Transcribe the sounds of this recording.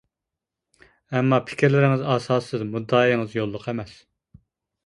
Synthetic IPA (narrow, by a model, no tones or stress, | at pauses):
ɛmːɑpʰɪ̥kʲʰɾlɪɾɪŋɨzɑːsɑːsɨzmud̪ɑːiiŋɨzjolˠːʊqʰɛmɛs